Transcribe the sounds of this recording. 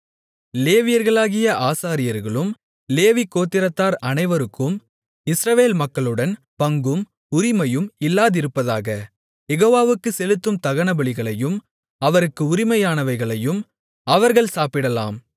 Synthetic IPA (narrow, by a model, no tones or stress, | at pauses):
leːʋɪjɐɾɣɐɭaːɣɪjɐʔaːsaːɾɪjɐɾɣɐɭɯm | leːʋikːoːt̪ːɪɾɐt̪ːaːɾɐnɐɪʋɐɾɯkːɯm | ɪsɾɐʋeːlmɐkːɐɭɯɽɐn | pɐŋɡɯm | ʊɾɪmɐjɯmɪlːaːðɪɾɯpːɐðaːɣɐ | jɛɣoːʋaːʋɯkːɯsɛlɯt̪ːɯmt̪ɐɣɐɳɐbɐɭɪɣɐɭɐjɯm | ɐʋɐɾɯkːɯʊɾɪmɐjaːnɐʋɐɪɣɐɭɐjɯm | ɐʋɐɾɣɐɭsaːpɪɽɐla̰ːm